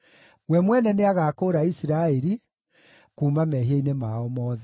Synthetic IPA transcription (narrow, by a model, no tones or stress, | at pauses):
wɛmwɛnɛneaɣaːkoɾaisiɾaɛɾi | kuːmamɛɦieinemaɔmɔːðɛ